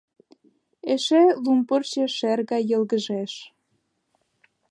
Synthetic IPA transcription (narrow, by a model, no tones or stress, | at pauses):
eʃelumpərt͡ɕĕʃerɣɑjə̆lɣə̆ʒeʃ